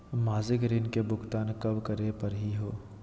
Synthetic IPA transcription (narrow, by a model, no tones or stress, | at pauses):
maːzɪkɾiːnkebʊɡt̪aːnkɐbkɐɾepɐɾɦiɦoː